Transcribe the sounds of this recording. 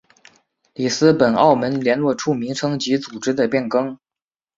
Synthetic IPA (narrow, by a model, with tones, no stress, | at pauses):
li˨˩sɹ̩˥pə˨˩nɑ̰˥˩ʊmə˧˥nljɛ˧˥nlwɔ˥˧ʈ͡ʂʰu˥˩mi˧˥ŋʈ͡ʂʰɤ˥ŋt͡ɕi˧˥t͡su˨˩ʈ͡ʂɻ̩˥d̪ə˨pjɛ˥˩nkɤ˥ŋ